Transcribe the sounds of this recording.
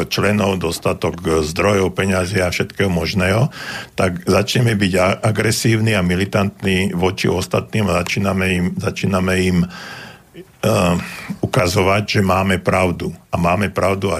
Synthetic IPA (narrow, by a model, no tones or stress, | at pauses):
t͡ʃlɛnɔʊd̪ɔst̪at̪ɔɡzd̪ɾɔjɔʊpɛɲazɪaafʃɛt̪kɛːɦɔmɔʒnɛːɦɔt̪aɡzat͡ʃɲɛmɛbiɟaaɡɾɛsiːʊniamilit̪ant̪niːʋɔt͡ʃḭɔst̪at̪niːmaat͡ʃiːnamɛimzat͡ʃiːnamɛim | ukazɔʋaɟʒɛmaːmɛpɾaʊd̪uamaːmɛpɾaʊd̪ua